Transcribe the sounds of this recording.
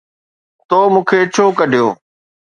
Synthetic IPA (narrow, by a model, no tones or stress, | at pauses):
t̪oːmũːkʰeːt͡ʃʰoːkəɖʱijo̰ː